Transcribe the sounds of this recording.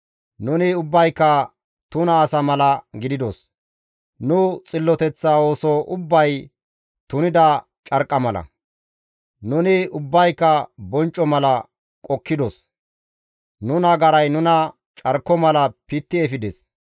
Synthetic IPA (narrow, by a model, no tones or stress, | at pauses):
nʊnɪʊbːɐjkːɐ | t̪ʊnɐːsɐmɐlɐɡɪd̪ɪd̪os | nʊt͡sʼɪlːɔt̪ɛt͡sːao̞ːsɔʔʊbːɐj | t̪ʊnɪd̪ɐ | t͡ʃʼɐɾkʼːɐmɐlɐ̰ | nʊnɪʊbːɐjkːɐbɔnt͡ʃʼːɔmɐlɐ | kʼɔkːɪd̪ɔs | nʊnɐɡɐɾɐjnʊnɐ | t͡ʃʼɐɾkːɔmɐlɐpɪt̪ːɪɛfɪd̪ɛs